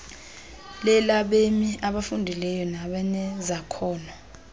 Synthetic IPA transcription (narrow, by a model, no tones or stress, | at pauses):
lɛlaɓemiaɓafundʱilɛjɔnaɓanɛzakʰɔːna